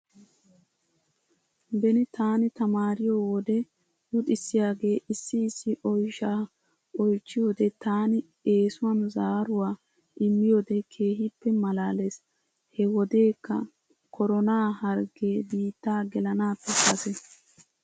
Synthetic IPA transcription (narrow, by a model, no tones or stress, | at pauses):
bɛnɪt̪aːnɪt̪ɐmaːɾɪjoːwɔd̪ɛ | wʊt̪ʼɪsːɪjaːɡe̞ːʔɪsːɪːsːɪʔɔjʃaː | ɔjt͡ʃːɪjo̞ːd̪ɛt̪aːnɪ | e̞ːsʊwɐnzaːɾʊwaː | ʔɪmːɪjo̞ːd̪ɛkʰe̞ːɦɪpːɛmɐlaːles | hɛwɔd̪e̞ːkːɐ̰ | kʰɔɾɔnaːhɐɾɡe̞ːbiːt̪ːaːɡɛlɐnaːpːɛkɐsɛ